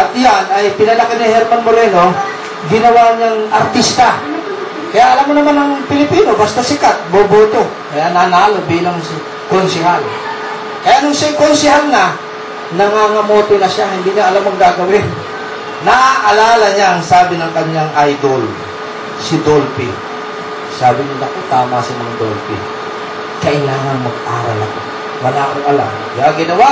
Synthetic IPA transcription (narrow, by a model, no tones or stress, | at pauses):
ʔɐt̪̚janɐjpɪnɐlɐkɪnɪhɛɾmanmoɾɛno̞ | ɡɪnɐwaɲaŋʔɐɾt̪ist̪ɐ | kɐjaʔɐlamːonɐmanɐŋpɪlɪpiːno̞bast̪ɐsɪkat̪̚boboːt̪o̞ | kɐjanaːnaːlobiːlɐŋs | konsɪɦal | kɐjaʔnʊŋsajkonsɪhalna | nɐŋaŋɐmoːt̪onɐʃahɪnd̪iɲaʔɐlamɐŋɡaːɡɐwɪ | naʔʔɐlaːlɐɲaɐŋsaːbɪnɐŋkɐɲaŋajd̪ol | sɪd̪olpɪ | saːbɪnɪnɐkot̪aːmasɪmɐŋad̪olpɪ̰ | kɐʔɪlaːŋɐŋmɐɡʔaːɾalɐko | wɐnaːʔoŋɐla̰ | jʔaɡɪnɐwa